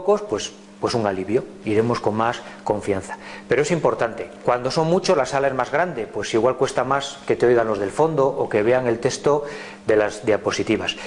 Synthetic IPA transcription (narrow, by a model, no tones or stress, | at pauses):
ko̞spwe̞s | pwe̞suŋaliβjo̞ | iɾe̞mo̞sko̞ŋmas | ko̞ɱfian̟θḁpe̞ɾoesimpo̞ɾt̪ant̪e̞kwand̪o̞so̞ŋmut͡ʃo̞zlasalae̞zmazɣɾand̪e̞pwe̞siɣwalkwe̞st̪amaske̞t̪eojɣanlo̞zð̞e̞lfo̞nd̪o̞ʔoke̞βe̞aŋe̞lt̪e̞st̪o̞ | ðe̞lazðjaposit̪iβas